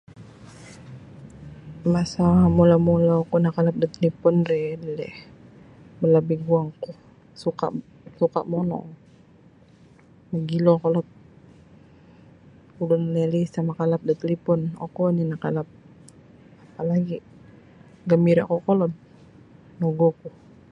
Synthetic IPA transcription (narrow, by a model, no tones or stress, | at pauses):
masamulamɔlaɔkɔnakalap̚dət̪əlipɔnrɛdɛlɛh | bəlabiɡuaŋkɔ | suka̰ʔ | suka̰ʔmɔnɔ̰ŋ | məɡilɔkɔlɔt̪̚ | ulɔnlɛlisamakalap̚dət̪əlipɔnɔ̰kɔninakalap̚ | apalaɡi | ɡamiɾaʔkɔkɔlɔt̪̚ | nɔɡɔku